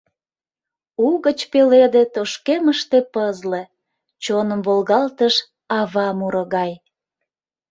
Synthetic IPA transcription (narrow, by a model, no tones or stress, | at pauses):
uɣət͡ɕpeled̪et̪oʃkeməʃt̪epəzle | t͡ɕonəmvolɣɑlt̪əʃ | ɑβɑmuɾoɣɑj